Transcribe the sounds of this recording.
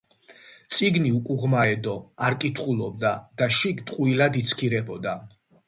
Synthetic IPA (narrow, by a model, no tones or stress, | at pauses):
t̪sʼiɡniukʼuʁmaɛd̪ɔaɾkʼit̪ʰχulˠɔb̚d̪ad̪̥aʃikt̪ʼqʼuilad̪it̪sʰkʰiɾɛbɔd̪a